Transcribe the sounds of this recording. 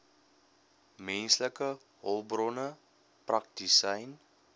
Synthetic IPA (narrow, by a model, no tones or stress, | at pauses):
mɛnsləkə | ɦɔlˠbrɔnə | prʔɐk̚disɐjn